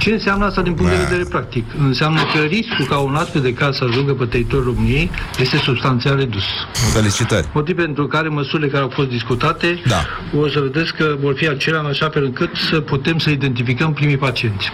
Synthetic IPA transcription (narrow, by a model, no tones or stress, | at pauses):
t͡ʃe̞ɨnseamnəast̪ad̪inpuŋkt̪d̪eved̪eɾe̞pɾak̚t̪ikɨnseamnəkəriskukaonat̪ked̪e̞kasəaʒuŋɡəpet̪eit̪o̞rʲro̞mɨnije̞jje̞st̪e̞subst̪ant̪seare̞d̪usut̪əlit͡ʃit̪a̰ɾʲmo̞t̪ivpe̞nt̪ɾukaɾe̞məsuɾile̞kaɾeawfo̞st̪d̪iskut̪at̪e̞d̪a̰osəved̪eskːəvo̞rfiat͡ʃe̞leaɨnaʃafe̞lɨŋkɨt̪səput̪e̞msəid̪e̞nt̪ifikəmpɾimijpat͡ʃie̞nt̪sʲ